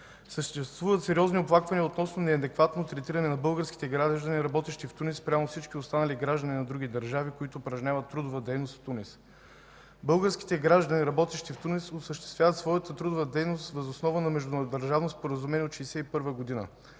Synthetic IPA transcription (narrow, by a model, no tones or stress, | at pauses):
səʃt̪ɛst̪vuvət̪sɛɾiɔznioplˠakvɐniəot̪nɔsnonɛɐd̪ɛkvat̪not̪ɾɛt̪iɾɐnɛnɐbɤlˠɡəɾskʲi̥t̪ɛɡɾaʒd̪əniɾɐbɔt̪ɛʃt̪ift̪unispɾʲamofsit͡ʃkʲiost̪anɐliɡɾaʒd̪əninɐd̪ɾuɡʲid̪ɐɾʒavikoit̪ʊːpɾɐʒnʲavɐt̪ːɾud̪ʊvəd̪ɛjnost̪ft̪unis | bɤlˠɡəɾskʲi̥t̪ɛɡɾaʒd̪ɐniɾɐbɔt̪ɛʃt̪ift̪unisosəʃt̪ɛ̥st̪vʲjavət̪svɔjɐt̪ət̪ɾud̪ʊvəd̪ɛjnost̪vəzosnɔvənɐmɛʒd̪ʊd̪ɐɾʒavnospoɾəzumɛnʲiɛot̪ʃɛjsɛipɤɾvəɡod̪inə̰